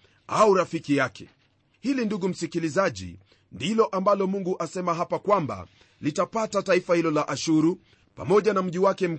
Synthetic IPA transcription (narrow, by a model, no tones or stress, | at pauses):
auɾafikijakɛ̥̰ | hilinduɠum̩sikilizaʄḭ | ndilɔʔambalɔmuŋɡuʔasɛmaɦapakwamba̰ | litapatataifahilɔlaʔaʃuɾu | pa̰mɔʄanam̩ʄiwakɛm̩